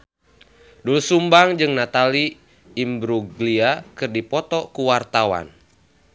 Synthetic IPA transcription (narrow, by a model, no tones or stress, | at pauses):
dulsumbaŋd͡ʒɨŋnat̪aliː | mbɾuɡliakɨrdipɔt̪ɔkuwart̪awa̰n